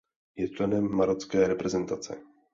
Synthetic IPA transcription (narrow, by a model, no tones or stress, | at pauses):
jɛt͡ʃlɛnɛmːaɾot͡skɛːɾɛpɾɛzɛnt̪at͡sɛ̰